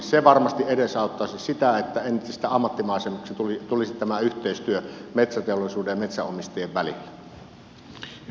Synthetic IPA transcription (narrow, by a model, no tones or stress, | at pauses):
seʋɑrmɑst̪iʔeɾesɑˑot̪ːɑˑsissit̪æet̪ːæenist̪æɑmːɑt̪ːimɑˑesemuksit̪ut̪ulisitt̪æmæyht̪ˑeˑist̪yømet̪sæt̪eolisuːdejɑmet̪sæ̰ʔomist̪eeʋʋælḭlːæ